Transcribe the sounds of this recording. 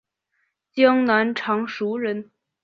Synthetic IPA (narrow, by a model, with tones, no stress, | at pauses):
t͡ɕjɑ˥ŋna˧˥nʈ͡ʂʰɑ˧˥ŋʂu˧˥ɻə˧˥n